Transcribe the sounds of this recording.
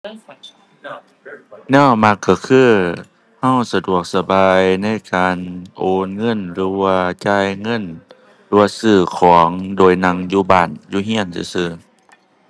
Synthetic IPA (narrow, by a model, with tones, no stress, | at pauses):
nɛː˧˥˩ma˧˥kːa˧˩kʰɯː˧˥˩ | ha˧˥˨wsa˧du˨˩ək̚sa˧baː˨jna˧˥˨jkaː˨nʔoː˨nŋɤ˧˥˨nlɯː˨˦waː˧t͡ɕaː˧˩˨jŋɤ˧˥˨n | lɯː˧waː˧sɯː˧˩kʰɔː˨˦ŋdoː˨˩jna˧˥ŋjuː˧baː˧˩njuː˧ɦi˧˥˨ənsɯ̰˧˦sɯː˧˩